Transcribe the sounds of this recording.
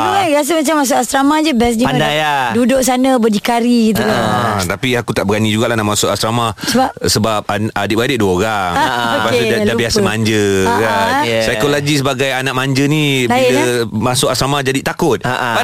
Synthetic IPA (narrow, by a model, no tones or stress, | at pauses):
uaɾas̬əmat͡ʃamːas̬ʊʔast̪ɾamahd͡ʒəbɛs̬d͡ʒipandajadudʊʔ̚s̬anãbədikaɾiɡit̪̬ukat̪apiakut̪aʔbəɡanid͡ʒuɡaʔlahnamãsʊʔast̪ɾamahsəbapsəbap̚aadɪp̚adɪʔ̚duəoɾaŋopasdaabiasamaɲd͡ʒəkasajkolaɡis̬əbaɡajanãʔmãɲd͡ʒənibailamãsʊʔast̪ɾamahd͡ʒadit̪akʊt̪̚a